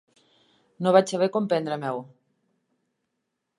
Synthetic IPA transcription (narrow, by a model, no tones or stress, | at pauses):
noβat͡ʃsaβekompɛnd̪ɾamɛw